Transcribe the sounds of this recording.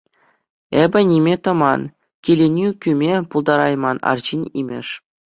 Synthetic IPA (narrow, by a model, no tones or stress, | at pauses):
ebʲɘ̆nʲimʲet̪ɤ̆mɑn | kʲilʲenʲykʲymʲepulˠd̪ɑɾɑjmɑnɑ̰rʑinʲimʲɘ̰̆ʂ